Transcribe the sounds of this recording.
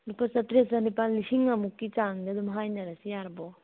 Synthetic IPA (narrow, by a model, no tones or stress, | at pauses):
lupasɐtɾesɐnipallisiŋamukːit͡ʃaŋdadumɦajnɐɾasijaɾbɔ